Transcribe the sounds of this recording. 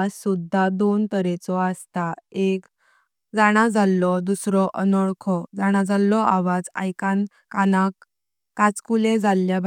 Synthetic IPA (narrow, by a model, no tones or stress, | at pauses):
assud̪ʱːad̪ont̪əɾet͡sɔast̪aek | d͡zaɽ̃ad͡zalːɔd̪usɾɔʔənɔɭkʰɔd͡zaɽ̃ad͡zalːɔaʋad͡za̰jkan | kanakː | at͡skuled͡zalːjabʱ